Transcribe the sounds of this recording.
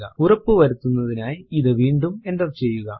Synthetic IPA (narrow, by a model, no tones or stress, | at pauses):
ɣɐ̰urɐpːɨʋɐɾut̪ːunːɐðinaːjiðɨʋiːɳɖume̞ndɐʋt͡ɕe̞jːuɣɐ